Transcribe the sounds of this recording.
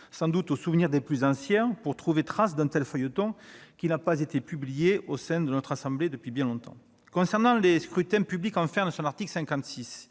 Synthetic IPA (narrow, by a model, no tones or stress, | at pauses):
sɑ̃d̪ut̪osuvəniʁd̪eplyzɑ̃sjɛ̃puʁt̪χuvet̪χas̬d̪ɛ̃t̪ɛlfœjot̪ɔ̃kinapazet̪epyblijeʔosɛ̃d̪ənɔt̪χasɑ̃bled̪əpɥibjɛ̃lɔ̃t̪ɑ̰̃ | kɔ̃sɛʁnɑ̃leskχyt̪ɛ̃pyblikɑ̃fɛʁnəsɔ̃naʁt̪iklsɛ̃ŋkɑ̃t̪sis